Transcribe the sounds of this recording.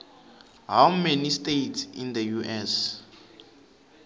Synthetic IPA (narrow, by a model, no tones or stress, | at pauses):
ɦawmenistejtsḭnd̪əjuʔɛs